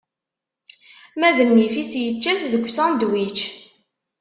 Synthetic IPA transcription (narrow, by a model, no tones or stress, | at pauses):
mæðənːifisjət͡ʃːæθðəɡʷːsænd̪wit͡ʃ